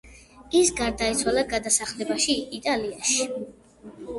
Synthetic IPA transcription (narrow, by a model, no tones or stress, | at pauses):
isɡaɾd̪ait̪sʰwalaɡad̪asaχlɛbaʃiit̪ʼaliaʃi